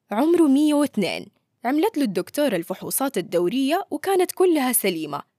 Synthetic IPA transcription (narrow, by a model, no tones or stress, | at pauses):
ʕʊmɾmɪjːawɪθnḛːn | ʕamlat̪lud̪ːʊkt̪uːɾˤalfʊħṵːsˤɑːt̪ad̪ːawɾɪjːawɪkaːnat̪kʊlːʊhasaliːma̰